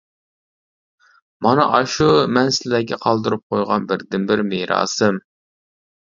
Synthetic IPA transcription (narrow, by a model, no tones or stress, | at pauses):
mɑnɨʔɑʃumɛnsɪlæɡʲɛqʰɑlˠd̪ɨɾup̚qʰojʁɑnbɪɾd̪ɪnbɪɾmeɾɑ̰ːsɨm